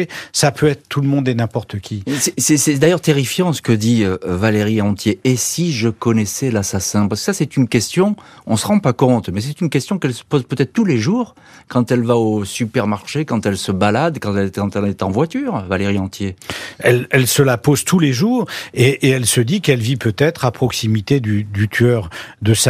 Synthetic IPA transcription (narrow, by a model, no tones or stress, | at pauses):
sapøɛt̪χət̪uləmɔ̃d̪ɛnɛ̃pɔʁt̪əkʲisɛsɛsɛd̪ajœʁt̪eʁifjɑ̃sə̥kəd̪iøvaleʁiɑ̃t̪jeesiʒəkɔnɛsɛlasasɛ̃paʁsəkə̥sasɛt̪ynkʲɛst̪jɔ̃ɔ̃səʁɑ̃pakɔ̃t̪mɛs̬ɛt̪ynkʲɛst̪jɔ̃kɛlsə̥pozpøt̪ɛt̪χət̪uleʒuːʁ | kɑ̃t̪ɛlvaosypɛʁmaʁʃekɑ̃t̪ɛlsəbalad̪kɑ̃t̪ɛlɛt̪ɑ̃t̪ɛlɛt̪ɑ̃vwat̪yːʁvaleʁiɑ̃t̪jeɛlɛlsəlapozt̪uleʒuːʁeʔeɛlsəd̪ikɛlvipøt̪ɛt̪χapχɔksimit̪ed̪yd̪yt̪ʰɥœʁd̪əsa